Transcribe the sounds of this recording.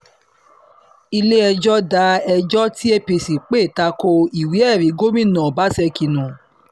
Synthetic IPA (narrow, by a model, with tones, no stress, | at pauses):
i˧le˦ɛ˧d͡ʒɔ˦da˧˦ɛ˧d͡ʒɔ˦ti˦e˦pe˧si˨k͡pe˦˨ta˧ko˧i˨wi˨˦ɛ˦˨ɾi˨˦ɡo˦mĩ˦˨nã˨ba˨˦sɛ˧ki˧nũ˨